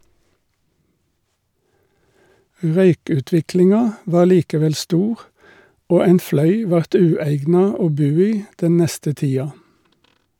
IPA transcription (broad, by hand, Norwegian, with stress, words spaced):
ˈʁœʏkʉˌtʋɪklɪŋɑ ˈʋɑː ˈliːkəˌʋɛl ˈstuːʁ ˈoː ˈæɪn ˈflœʏ ˈʋɑʁt ˈʉːæɪɡnɑ ˈoː ˈbʉː ˈiː ˈdɛn ˈnɛstə ˈtiːɑ